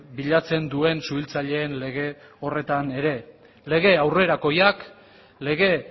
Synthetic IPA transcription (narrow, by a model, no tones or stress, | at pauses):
biʎat͡se̞nd̪ue̞nsuilt͡saʎe̞ːnle̞ɣ̞e̞ | o̞re̞t̪ane̞ɾe̞ | le̞ɣ̞e̞awre̞ɾako̞jak | le̞ɣ̞e̞